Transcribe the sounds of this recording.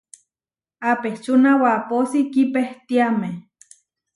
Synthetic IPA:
apeht͡ʃunawaposikipeht̪iame

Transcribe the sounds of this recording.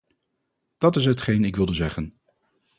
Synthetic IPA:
d̥ɑtɪs̬ɦətχejnɪkʋɪlˠdəzɛχən

